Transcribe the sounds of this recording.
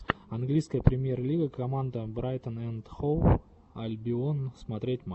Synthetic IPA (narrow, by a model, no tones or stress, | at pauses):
ɐnɡlʲijskəjəpɾʲɪmʲje̞rlʲiɡəkɐmand̪əbɾajt̪ənɛnt̪xof | ɐlʲbʲɪonsmɐt̪ɾʲet̚ʲma